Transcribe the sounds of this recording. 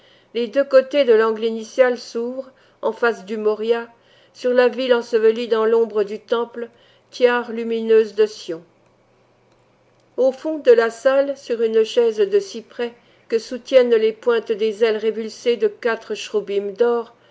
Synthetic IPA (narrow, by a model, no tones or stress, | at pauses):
led̪økot̪ed̪əlɑ̃ɡlinisjalsuvʁ | ɑ̃fasd̪ymɔʁja | syʁlavilɑ̃səvəlid̪ɑ̃lɔ̃bʁəd̪yt̪ɑ̃pl | t̪jaʁlyminøzd̪əsjɔ̃ | ofɔ̃d̪əlasalsyʁynʃɛzd̪əsipχɛ | kəsut̪jɛnlepwɛ̃t̪d̪ezɛlʁevylsed̪əkat̪χəʃʁubimd̪ɔʁ